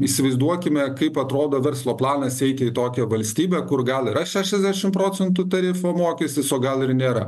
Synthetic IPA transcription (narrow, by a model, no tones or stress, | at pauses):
isʲɪʋɐɪzd̪uɔkʲɪmʲɛkɐɪpɐt̪ɾoːd̪oːʋʲɛɾslˠoːplˠɑːnɐsɛɪt̪ʲɪiːt̪oːkʲɛʋɐlʲsʲt̪ʲiːbʲɛkʊrɡɐlˠɪɾɐʃʲæːʃʲɛzʲd̪ʲæʃʲɪmpɾoːt͡ssʲɛnt̪ʊt̪ɐɾʲɪfoːmoːkʲɛsʲt̪ʲɪsoːɡɐlˠɪɾnʲeːɾɐ̰